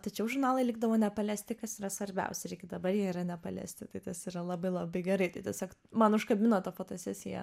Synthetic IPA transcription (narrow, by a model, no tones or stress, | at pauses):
t̪ɐt͡ʃʲɛʊʒʊrnɑːlˠɐɪlʲɪɡ̚d̪ɐʋoːnʲɛpɐlʲæːsʲt̪ʲɪkɐsiːɾɐsʋɐɾʲbʲɛ̰ʊsʲɛɾʲɛɪɡʲɪd̪ɐbɐɾjiɛiːɾɐnʲɛpɐlʲæ̰ːsʲt̪ʲɪt̪ɐɪt̪ɐsiːɾɐlˠɐbɐɪlˠɐbɐɪɡʲɛɾɐɪt̪ɐɪt̪ʲiɛsʲoːkmɐnʊʃkɐbʲɪnoːt̪ɐfoːt̪oːsʲæːsʲɪjɛ̰